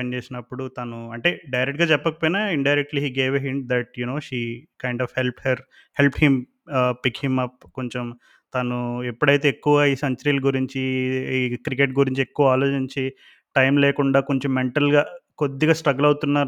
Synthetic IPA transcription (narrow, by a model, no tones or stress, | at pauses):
ɐnt͡ʃeːsinɐpːuɽut̪aːnuɐɳʈe̞ːɖɐjɾek̚ʈɡaːt͡ʃɛpːɐkɐpoːjnaiɳɖɐjɾek̚ʈliːɦiːɡeːʋeɦiɳʈ̚d̪ɐʈ̚juno̞ːʃiːkɐjɳɖaːfhelp̚ʈhɐɾ | help̚ʈhim | pːikhimɐp̚ko̞ɲt͡ʃom | t̪aːnuepːuɽɐjt̪e̞ːkːuʋaiːsɐɲt͡ʃɐɾiːlɡuɾiɲt͡ʃiikɾikeʈ̚ɡuɾiɲt͡ʃiekːuʋɐaːlo̞ːt͡ʃiɲt͡ʃi | ʈɐjmlɛːkuɳɖaːko̞ɲt͡ʃomːeɳʈɐlɡaːkod̪ːiɡaːsʈɾɐɡɐlɐwt̪unːaːɾ